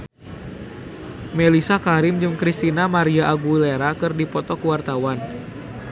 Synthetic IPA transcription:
melisakaɾɪmd͡ʒɨŋkɾist̪inamaɾiaʔːɡuleɾakɨrdipɔt̪ɔkuwart̪awan

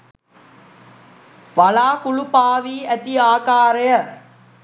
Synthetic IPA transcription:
ʋɐɭaːkuɭupaːʋiːæt̪iaːkaːɾɐjə

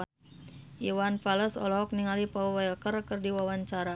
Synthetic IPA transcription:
ʔiwanpaləsɔ̰lɔɦɔk̚niŋalipauwajlkərkərdiwawaɲt͡ʃaɾa

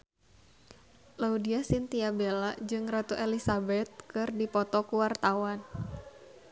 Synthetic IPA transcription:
laudiasint̪iabelad͡ʒɨŋrat̪uʔelisabɛt̪̚kɨrdipɔt̪ɔkuwart̪awan

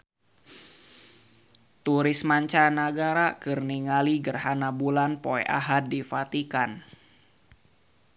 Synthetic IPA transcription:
t̪uɾɪsmaɲt͡ʃanaɡaɾakɨrniŋaliɡərɦanabulanpoɛ̰ʔa̰ɦat̪̚difat̪ikan

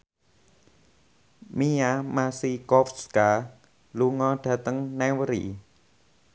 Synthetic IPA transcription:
miamasikɔfska | luŋɔɖ̥a̤t̪əŋnɛŋwəɾḭ

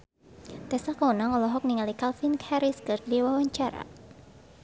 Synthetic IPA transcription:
t̪ɛsakaunaŋɔlɔɦɔk̚niŋalikalfinkhaɾiskɨrdiwawaɲt͡ʃaɾa̰

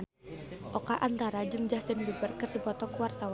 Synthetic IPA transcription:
ʔɔkaʔant̪aɾad͡ʒɨŋd͡ʒast̪ɪndibərkərdipɔt̪ɔkuwart̪awa

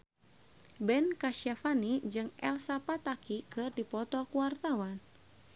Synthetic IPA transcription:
bɛnkaʃafanid͡ʒɨŋɛ̰lsapat̪akikɨrdipɔt̪ɔkuwart̪awan

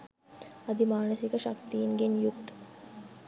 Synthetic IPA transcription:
ɐd̪imaːnəsikəʃakt̪ijinɡenjukt̪

